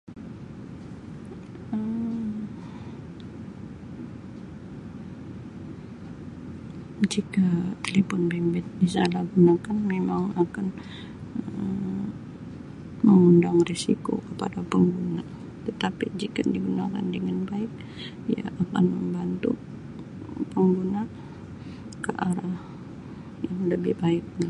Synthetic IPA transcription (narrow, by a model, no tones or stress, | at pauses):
ə | d͡ʒikat̪elefɔnbɛmbɛt̪̚dis̬alahɡunakanmemaŋakan | ə | məŋundaŋresḭko̰kəpadapəŋɡuna | t̪ət̪apid͡ʒikadiɡunaka̰ndəŋanbaɪk̚ | ija̰ːkanməmbant̪u | pəŋɡuna | kəʔaɾah | jaŋləbɪhbaɪk̚ɲa